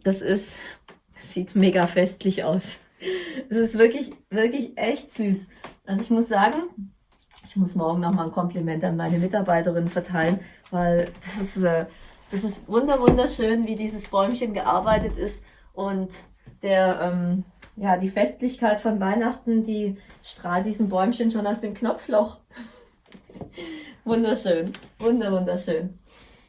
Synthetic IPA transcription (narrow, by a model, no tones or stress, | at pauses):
d̥asɪst | z̥iːtmeːɡafɛstʰlɪçʔa̰ʊs | ʔɛsɪstv̥ɪɐklɪçv̥ɪɐklɪçʔɛçtz̥yːsʔalzoɪçmʊsz̥aːɡŋ̩ | ʔɪçmʊsmɔɐɡŋ̩nɔχmaːlnkʰɔmplimɛntəanmaɪnəmɪtaɐbaɪtəʁɪnənfɛɐtʰaɪlənvaɪld̥asɪstʔɛːd̥asɪstvʊndɐvʊndɐʃøːnviːdiːzəsb̥ɔʏmçənɡəʔa̰ɐbaɪtətɪst | ʔʊnt | d̥eːɐʔɛːmjaːdiːfɛstlɪçkaɪtfɔnvaɪnaχtn̩diːʃtʁ̥aːlt̚d̥iːzn̩bɔʏmçənʃoːnaʊsd̥eːmknɔflɔχ | vʊndɐʃøːnvʊndɐvʊndɐʃøːn